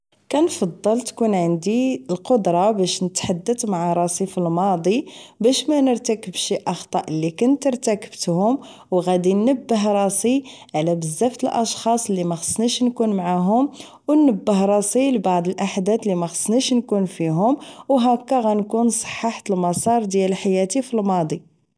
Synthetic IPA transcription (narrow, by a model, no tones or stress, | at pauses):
kænfɑd̪ˤːəlt̪kunʕand̪iəlqod̪ɾˤɑbæʃnət̪ħad̪ːət̪maʕaɾˤɑsˤifilmɑd̪ˤibæʃmænəɾt̪ækəbʃiʔɑxt̪ˤɑʔəlːikʊnt̪əɾˤt̪ækə̥bt̪hʊm | wɣæd̪inːəbːəɦɾˤɑsiʕlæbəzːæft̪əlʔɑʃxɑsˤəlːimæxə̥sniʃnkunmaʕaɦʊm | wnːəbːəhɾˤɑsˤilbɑʕd̪ˤəlʔaħd̪æt̪lːimæxə̥sniʃnkunfiɦʊmwɦækːæɣænkunsˤə̥ħːɑħt̪əlmɑsˤɑɾˤd̪jællħajæt̪ifilmɑd̪ˤi